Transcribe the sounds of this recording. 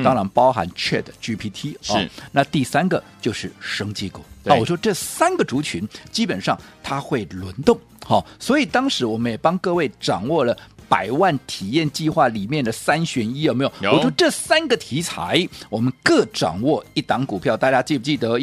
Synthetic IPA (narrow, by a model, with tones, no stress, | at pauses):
t̪ɑ˥ŋɻa˧˥npɑ˥ʊxa̰˧˥nt͡ɕʰɥɛ˥˩d̪ə˩t͡ɕy˥pʰi˥t̪ʰi˥˩na˥˧t̪i˥˩sa˥nɡə˨t͡ɕjo˥˧ʊʂɻ̩˥˩ʂɤ˥ŋt͡ɕi˥˩kṵ˨˥˩n˥˩wɔ˨˩ʂwɔ˥ʈ͡ʂɤ˥˩sa˥nɡə˨ʈ͡ʂu˧˥t͡ɕʰy˧˥nt͡ɕi˥pə˨˩nʂɑ˥˩ŋt̪ʰa˥xwe˥˩ɪlwə˧˥nt̪ʊ˥˩ŋ | xɑ˥˩swɔ˧˥i˨˩t̪ɑ˥ŋʂɻ̩˧˥wɔ˨˩mə˦njɛ˨˩pɑ˥ŋkɤ˥˧we˥˩ɪʈ͡ʂɑ̰˨˩ŋwɔ˥˩lə˩pa̰˨˩ɪwa˥˩nt̪ʰi˨˩jɛ˥˧nt͡ɕi˥˧xwa˥˩li˨˩mjɛ˥˩nd̪ə˩sa˥nɕɥɛ˧˥ni˥jo˨˩me˧˥jwɔ˨˩ʂwɔ˥ʈ͡ʂɤ˥˩sa˥nɡə˨t̪ʰi˧˥t͡sʰa̰˧˥ɪwɔ˨˩mə˦nkɤ˥˩ʈ͡ʂɑ̰˨˩ŋwɔ˥˩i˥˩t̪ɑ˧˥ŋku˨˩pʰjɑ˥˧ʊt̪a˥˩t͡ɕja˥t͡ɕi˥˩pu˥˩t͡ɕi˥˩t̪ɤ˧˥